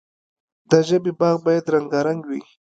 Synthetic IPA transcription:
d̪əʒəbebɑɣbɑjad̪ɾaŋɡaɾaŋɡwi

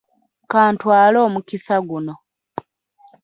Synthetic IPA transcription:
kaːntwaːlo̞ːmukisaɡuno̞

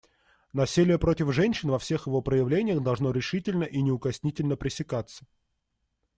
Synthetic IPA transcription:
nɐsʲilʲɪjəpɾotʲɪfʐɛnʲɕɪnvɐfsʲe̞xjɪvo̞pɾəjɪvlʲenʲɪjəxd̪ɐlˠʐno̞ɾʲɪʂɨtʲɪlʲnəʔinʲɪʊkɐsʲnʲitʲɪlʲnəpɾʲɪsʲɪkat̪sə̥

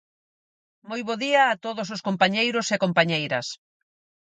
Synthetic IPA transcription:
mojβoðiɐːt̪oðos̬oskompaɲejɾosekompaɲejɾɐs

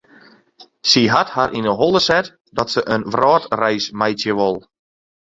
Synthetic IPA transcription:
siɦatharʔinəɦolˠəsɛt | dɔtsəʔənʋrɔːtrɛjsmɛjtjəʋɔlˠ

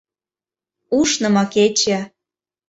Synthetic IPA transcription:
uʃnɤ̆mɑket͡ɕæ

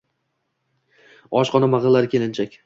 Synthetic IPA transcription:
ɒʃqʰɒnamaʁɨlːaɾkʲʰe̞lɪnt͡ʃʰakʲ

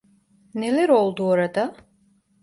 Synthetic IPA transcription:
nɛlɛɾɔlˠd̪uɔɾad̪a

